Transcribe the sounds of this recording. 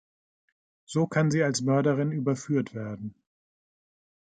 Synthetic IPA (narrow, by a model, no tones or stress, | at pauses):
z̥oːkʰanziːalsmœɐɾəʁɪnyːbɐfyːɐtv̥eːɐdn̩